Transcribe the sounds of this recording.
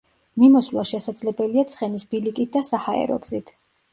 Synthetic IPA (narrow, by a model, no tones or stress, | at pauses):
mimɔsvlˠaʃɛsad̪zlɛbɛliat̪sʰχɛnisb̥ilikʼit̪̚d̪asahaɛ̰ɾɔ̰ɡzit̪ʰ